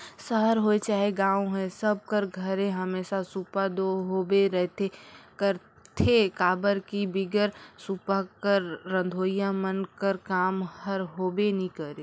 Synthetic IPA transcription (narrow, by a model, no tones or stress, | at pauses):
səɦəɾɦoet͡ʃaːɦeɡãːoɦɛ̃səb̚kəɾɡʱəɾẽɦəmeːsasupad̪oɦobeɾɛɦt̪ʰekəɾ | t̪ʰekaːbəɾkibɪɡəɾsupakəɾːə̃nd̪ʱoːjamənkəɾkaːmhəɾɦobenĩkəɾe